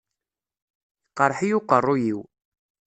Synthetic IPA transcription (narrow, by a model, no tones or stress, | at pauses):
iqːəɾˤħijuqərˤːujiw